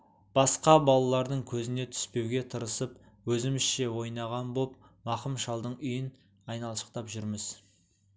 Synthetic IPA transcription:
b̥ɑsqɑbɑlˠɑlˠɑɾd̪əɴkʲʰɵzɪne̞t̪ʰʏ̥spe̞wɡʲe̞t̪ʰəɾəsəpwɵzɪmɪsʃe̞wo̞jnɑʁɑnbop̚mɑqəmʃɑlˠd̪əɴʏjɪn | ɑjnɑlˠʃə̥q̚t̪ɑpʒʏɾmɪz̥

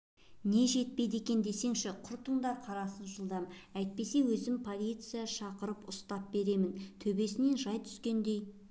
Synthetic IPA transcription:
ne̞ʒe̞t̪̚pe̞jd̪e̞kʲe̞nd̪e̞se̞ŋʃɪqʰʊɾt̪ʰʊɴd̪ɑɾqʰɑɾɑsənʒəlˠd̪ɑmæjt̪̚pe̞se̞wɵzɪmpʰo̞lʲijt̪sɨjɑʃɑqəɾəpʊst̪ɑp̚be̞ɾe̞mɪnt̪ʰɵbe̞sɪne̞nʒɑjt̪ʰʏ̥skʲe̞nd̪e̞j

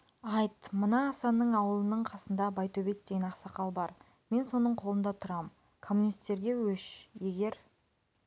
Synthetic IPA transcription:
ɑjt̪mənɑːst̪ɑnːəɴɑwəlˠənəɴqʰɑsənd̪ɑbɑjt̪obet̪̚d̪e̞jnɑqsɑqɑlˠbɑɾ | me̞nso̞nəɴqʰo̞lˠənd̪ɑt̪ʰʊɾɑm | kʰo̞mːunijst̪e̞ɾɡʲe̞wɵʃje̞ɡʲe̞ɾ

